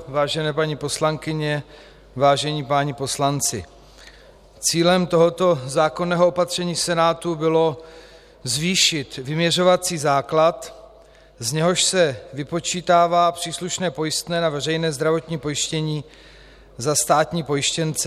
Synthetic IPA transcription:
vaːʒɛnɛːpaɲipo̞slaŋkɪɲɛ | vaːʒɛɲiːpaɲɪpo̞slant͡sɪ̰ | t͡siːlɛmt̪o̞ɦo̞t̪o̞zaːko̞nɛːɦoopat̪r̝̥ɛɲiːsɛnaːt̪ubɪlo̞ | zviːʃɪt̪vɪmɲɛr̝o̞vat͡siːzaːklat̪ | zɲɛɦo̞ʃsɛvɪpo̞t͡ʃiːt̪aːvaːpr̝̥iːsluʃnɛːpo̞jɪst̪nɛːnavɛrɛjnɛːzd̪ɾavo̞t̪ɲiːpo̞jɪʃcɛɲiː | zast̪aːt̪ɲiːpo̞jɪʃcɛnt͡sɛ

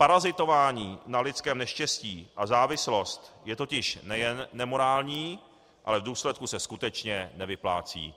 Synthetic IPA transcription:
paɾazɪt̪o̞vaːɲiːnalɪt͡skɛːmnɛʃcɛsciːʔazaːvɪslo̞st̪jɛt̪o̞cɪʃnɛjɛnːɛmo̞ɾaːlɲiː | ʔa̰lɛvduːslɛt̪̚kusɛskut̪ɛt͡ʃɲɛnɛvɪpla̰ːt͡sḭː

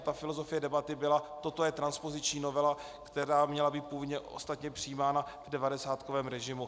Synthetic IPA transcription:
t̪afɪlo̞zo̞fɪjɛdɛbat̪ɪbɪlat̪o̞t̪ojɛt̪ɾanspo̞zɪt͡ʃɲiːno̞vɛla | kt̪ɛɾaːmɲɛlabiːt̪̚puvod̪ɲɛʔo̞̰st̪at̪ɲɛpr̥ɪiːmaːnavdɛvadɛsaːt̪ko̞vɛːmɾɛʒɪmu

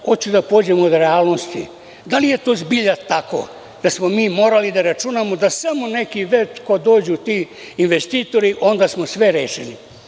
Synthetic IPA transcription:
hot͡ɕud̪apoːd͡ʑemood̪ɾealno̞st̪ḭ | d̪alije̞t̪oːzbiʎat̪ako̰ | d̪̥asmo̞miːmo̞ːɾalid̪aɾat͡ʃunamod̪asamone̞kiʋet̪kod̪o̞ːd͡ʑut̪iː | nʋe̞st̪iːt̪o̞ɾiʔo̞nd̪aːsmosʋe̞ɾeːʃeni

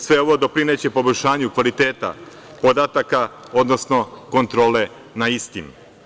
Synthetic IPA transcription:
sʋe̞o̞ʋo̞d̪o̞pɾinet͡ɕe̞po̞boʎʲʃaːɲukʋalit̪eːt̪a̰ | po̞d̪aːt̪aka | o̞d̪no̞sno̞ko̞nt̪ɾo̞ːle̞ | naist̪inu

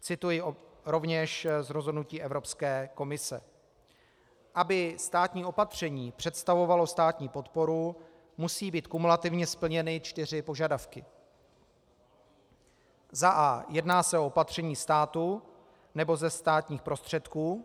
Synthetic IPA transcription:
t͡sɪt̪ujɪɾo̞vɲɛʃzɾozɦo̞dnuciːʔɛvɾo̞pskɛːko̞mɪsɛ̰ | ʔabɪst̪aːt̪ɲiːo̞pat̪r̝̥ɛɲiːpr̥ɛt̪st̪avo̞valo̞st̪aːt̪ɲiːpo̞t̪po̞ɾu | musiːbiːt̪kumulat̪ɪvɲɛspl̩ɲɛnɪt͡ʃt̪ɪr̝ɪpo̞ʒadafkɪ | zaʔaːjɛdnaːsɛʔo̞opat̪r̝̥ɛɲiːst̪aːt̪u | nɛbo̞zɛst̪aːt̪ɲiːxpɾo̞st̪r̝̥ɛt̪kuː

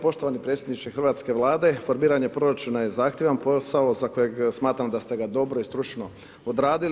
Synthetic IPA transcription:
po̞ʃt̪o̞ʋanipɾet̪sʲjed̪nit͡ʃexɾʋaːt̪ske̞ʋlˠaːd̪e̞fo̞ɾmiːɾaɲe̞pɾo̞ɾat͡ʃunaje̞zaːxt̪jeʋanpo̞sao̞zako̞je̞ɡsmaːt̪ɾamd̪ast̪e̞ɡad̪o̞bɾo̞ist̪ɾut͡ʃno̞ | od̪ɾaːd̪il

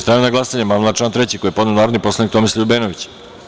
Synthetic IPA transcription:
st̪ɾanenaɡlasaɲemamlˠat͡ʃlant̪ɾet͡ɕikojepo̞d̪nenaːɾod̪nipo̞slˠanikt̪o̞mislˠijubeːnoʋit͡ɕ

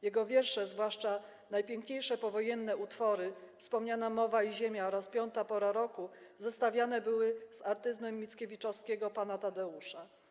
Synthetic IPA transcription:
jɛɡɔvʲjɛɾʂɛzvwaʂt͡ʂa | najpʲjɛŋkɲejʂɛpɔvɔjɛnːɛut̪fɔɾɘfspɔmɲanamɔvaiʑemʲjaɔɾaspʲjɔnt̪apɔɾaɾɔkuzɛst̪avʲjan̪ɛbɘwɘzaɾt̪ɘzmɛmːʲit̪skʲevʲit͡ʂɔfskʲɛɡɔpanat̪ad̪ɛuʂa

